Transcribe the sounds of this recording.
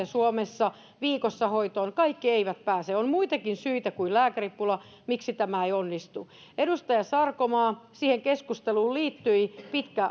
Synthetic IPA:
esuomesːɑ | ʋiːkosːɑhoit̪oːnkɑikːieiʋæt̪pæːseonmuit̪ɑkinsyit̪ækuilæːkæripːulɑ | miksit̪æmæeionːist̪uʔedust̪ɑjɑsɑrkomɑːsiːheŋkeskust̪eluːlliːt̪ːyipit̪kæ

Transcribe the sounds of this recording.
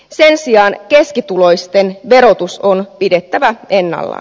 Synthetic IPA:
se̞nsiɑːnke̞skit̪ulo̞jst̪e̞nʋe̞ɾo̞t̪uso̞npide̞t̪ːæʋæe̞nːɑ̰lːɑ̰

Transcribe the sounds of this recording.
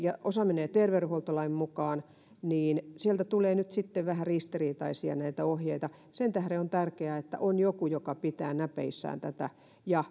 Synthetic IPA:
jɑʔosɑminejt̪erʋeruholt̪olɑimmukɑːn | niːnsielt̪æt̪uleːnyt̪sit̪ːeʋʋæhærist̪iriːt̪ɑisiɑ̰næit̪æohjeit̪ɑ | sent̪æhɾeont̪ærkeæet̪ːæ̰ʔonjokujokɑpit̪æːnæpḛisːæ̰ːnt̪æt̪æ | jɑ

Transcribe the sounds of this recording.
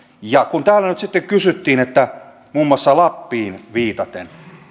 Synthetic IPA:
jɑkunt̪æːlːænyt̪sit̪ːekkysyt̪ːiːnet̪ːæ | muːmːuɑsːɑlɑpːiːnʋiːt̪ɑt̪ḛn

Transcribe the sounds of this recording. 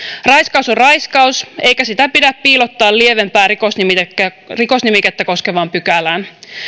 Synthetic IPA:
rɑjskɑwsorrɑjskɑuse̞jkæsit̪æpidæppiːlo̞t̪ːɑːllie̞ʋe̞mpæːɾiko̞snimit̪ekːæ | riko̞snimiket̪ːæko̞ske̞ʋɑmpykælæːn

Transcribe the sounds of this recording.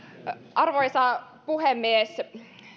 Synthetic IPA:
ʔɑrʋojsɑ | puhemːies

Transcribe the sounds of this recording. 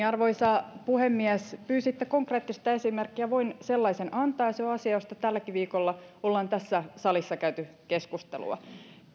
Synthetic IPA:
ɑrʋoisɑpuhemːiæspyːsit̪ːekoŋkreːt̪ːist̪ɑesimerkːiæʋoinselːɑisenʔɑnt̪ɑːjɑseoɑsiɑjost̪ɑt̪ælːækiʋiːkolːɑolːɑnt̪æsːæsɑlisːɑkæyt̪y | keskust̪ḛlṵɑ̰

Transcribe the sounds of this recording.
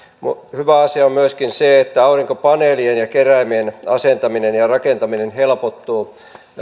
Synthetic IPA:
muhyʋæɑsiɑommyøskinseet̪ːæɑuriŋkopɑneːlienjɑkeræimienɑ̰sent̪ɑminenjɑrɑkent̪ɑminenhelpot̪ːuː

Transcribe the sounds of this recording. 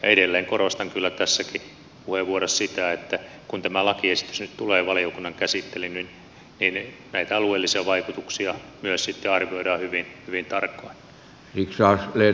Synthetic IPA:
jɑ̰eɾelːeːŋkorost̪ɑŋkylːæt̪æsːæki | puheʋʋuoɾɑssit̪æet̪ːæ | kunt̪æmælɑkiesit̪ysnyt̪t̪uleːʋɑliokunːɑŋkæsit̪ːelinnin | nin | næit̪æɑlueːlːisiɑʋɑikut̪uksiɑmyøssit̪ːeɑrʋioiɾɑːhyʋinhyʋint̪ɑrkːɑin | siksɑːsle

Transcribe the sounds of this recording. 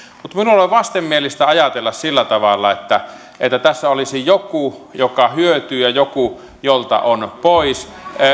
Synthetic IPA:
mut̪minuloˑeʋʋɑst̪emmielist̪æɑjɑt̪elːɑssilːæt̪ɑʋɑlːɑ̰et̪ːæ | et̪ːæt̪æsːæolisijokujokɑhyøt̪yːjɑjoku | jolt̪ɑ̰ʔonpois

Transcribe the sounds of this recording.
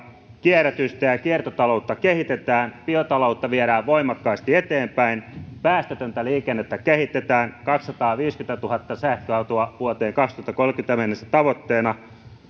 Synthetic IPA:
kiæret̪yst̪æjɑkiert̪ot̪ɑlout̪ːɑkehit̪et̪æːnpiot̪ɑlout̪ːɑʋieɾæːʋʋoimɑkːɑist̪iet̪eːmpæinpæːst̪et̪ønt̪æliːkenːet̪ːækehit̪et̪æːnkɑkssɑt̪ɑːʋiːskynt̪æt̪uhɑt̪ːɑsæhkøɑt̪uɑʋuot̪eːŋkɑkst̪uhɑt̪ːɑ̥kolkynt̪æmenːesæ̥t̪ɑʋot̪ːeːnɑ

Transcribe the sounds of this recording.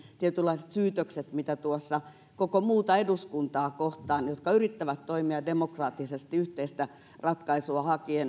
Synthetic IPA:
t̪iet̪ylːˑɑiset̪syːt̪økset̪mit̪æt̪uosːɑ | kokomuːt̪ɑeduskunt̪ɑːkoht̪ɑːnjot̪kɑyrit̪ːæʋæt̪toimiɑdemokrɑːt̪ːisest̪iyht̪eist̪æ | rɑt̪kɑisuɑhɑkien

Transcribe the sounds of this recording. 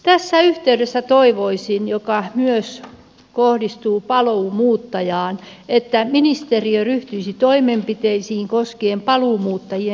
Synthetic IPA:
t̪æsːæyht̪eydesːæt̪oiʋoisinjokɑmyøs | kohdist̪uːpɑloːmuːt̪ːɑjɑːn | et̪ːæminist̪eriøryht̪yisit̪oimempit̪eisiːŋkoskeːmpɑluːmuːt̪ːɑjie

